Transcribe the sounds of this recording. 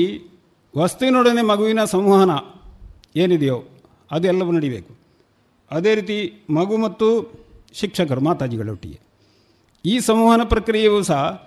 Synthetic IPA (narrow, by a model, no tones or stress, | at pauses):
ʋɐst̪uʋinoːɽɐne̞mɐɡuʋinɐsɐmʋɐɦɐnɐ | eːnid̪ɛjo | ɐd̪uɛlːɐʋunɐɽibe̞̰ːku̥ | ɐd̪e̞ːɾiːt̪̬imɐɡumɐt̪ːuʃikʂɐkɐɾumaːt̪aːd͡ʒiɡɐɭḛṵʈːḭjḛ | iːsɐmʋuɦɐnɐpɾɐkɾijɐʋiʋɐsɐ